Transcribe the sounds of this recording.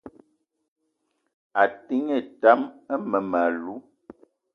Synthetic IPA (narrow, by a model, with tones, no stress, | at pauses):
a˨ti˦ŋe˦˨ta˦mə˦mə˨ma˨lu˨˦